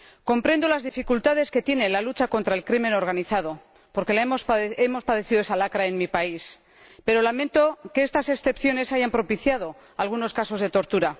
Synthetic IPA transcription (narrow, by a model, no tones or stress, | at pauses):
ko̞mpɾe̞nd̪o̞lazðifikult̪að̞e̞ske̞t̪je̞ne̞lalut͡ʃako̞nt̪ɾaelkɾime̞no̞ɾɣ̞aniθað̞o̞ | po̞ɾke̞lamose̞mo̞spað̞e̞θiðoe̞salakɾae̞nmipais | pe̞ɾo̞lamẽ̞nt̪o̞keest̪ase̞ksθe̞pθjo̞ne̞saʝampɾo̞piθjað̞o̞ | alɣ̞uno̞skaso̞zðe̞t̪o̞ɾt̪uɾa